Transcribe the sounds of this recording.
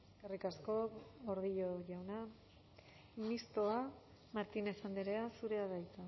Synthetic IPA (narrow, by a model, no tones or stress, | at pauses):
karikasko̞oɾðiʎo̞ʝawna | mist̪o̞a | maɾt̪ine̞sand̪iɾeasuɾe̞aðajt͡sa